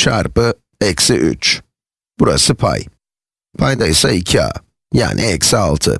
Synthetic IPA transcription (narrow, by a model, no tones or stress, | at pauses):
ʃaɾpɯ | ɛksiʔy̰t͡ʃ | b̥uɾa̰sɯpʰa̰j | pʰajd̪ajsaicʰia̰ | ja̰ːnʔiɛcsialˠt̪ʰɯ̰